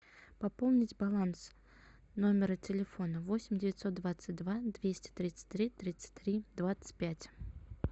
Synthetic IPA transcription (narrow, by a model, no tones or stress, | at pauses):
pɐpolˠnʲɪtʲbɐlˠans | no̞mʲɪɾətʲɪlʲɪfo̞nəvo̞sʲɪmʲdʲɪvʲɪt̪ʲso̞t̪̚d̪vat̪sɨt̚ʲd̪vad̪vʲesʲtʲɪ̥t̪ɾʲit̪sɨ̥tʲt̪ɾʲit̪ɾʲit̪sɨ̥t̚ʲt̪ɾʲid̪vat̪sə̥t̚ʲpʲætʲ